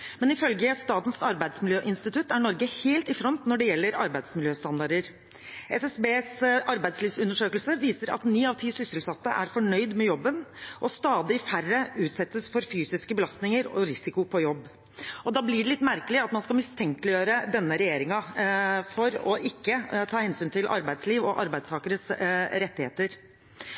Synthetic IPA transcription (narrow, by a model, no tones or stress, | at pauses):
mɛnɪfœlɡəst̪ɑːt̪n̩sɑɾbæɪd̪smɪljøːʔɪnst̪ɪt̪ʉt̪ːæɳɔɾɡəheːlt̪ɪfɾɔnt̪nɔɖɛjɛlːəɾɑɾbæɪd̪smɪljøːst̪ɑnd̪ɑɖəɾ | ʔɛsɛsbeːsɑɾbæɪsliːʋsʉnːəʂøːkəlsəʋiːsəɾɑ̰t̪nyːɑʋt̪ʰiːsʏsəlsɑt̪ːəʔæɾfɔɳœʏd̪mɛjɔbːənʔɔst̪ɑːd̪ɪfærəʉːt̪sɛt̪ːəsfɔɾfyːsɪskəbəlɑst̪nɪŋəɾɔɾɪsɪkʊpʰɔjɔbː | ɔd̪ɑːblɪɖɛlɪt̪ːmæɾkəlɪɑt̪mɑnskɑlmɪst̪ʰɛŋkəlɪjøːɾəd̪ɛnːəɾɛjeːɾɪŋɑfɔɾɔʔɪkːət̪ʰɑːhɛnsyːnt̪ʰɪlʔɑ̰ɾbæɪd̪sliːʋɔʔɑɾbæɪd̪st̪ʰɑːkəɾəsɾɛt̪ːɪhḛːt̪əɾ